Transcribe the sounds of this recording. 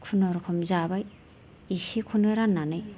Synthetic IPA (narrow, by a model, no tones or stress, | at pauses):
kʰunɔɾkʰɔmzabaj | isikʰunɔɾanːanɯj